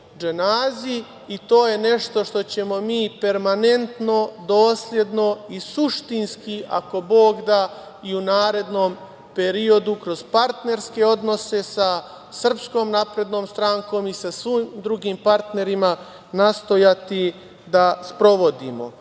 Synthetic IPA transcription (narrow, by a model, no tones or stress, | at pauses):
d͡ʒenaːziː | t̪o̞ːje̞ne̞ʃt̪o̞ʃt̪o̞t͡ɕe̞mo̞miːpe̞ɾmane̞nt̪no̞d̪o̞ːslʲje̞d̪no̞isuʃt̪inskiʔa̰ko̞bo̞ːɡd̪a | iunaːɾe̞d̪no̞m | pe̞ɾio̞d̪ukɾo̞zpaɾt̪ne̞ɾske̞o̞d̪no̞se̞sa | sr̩psko̞ːmnapɾe̞d̪no̞ːmst̪ɾaːŋko̞ːmisasʋimd̪ɾuɡiːmpaɾt̪ne̞ɾima | nast̪o̞jat̪i | d̪aspɾo̞ʋo̞d̪imo̞̰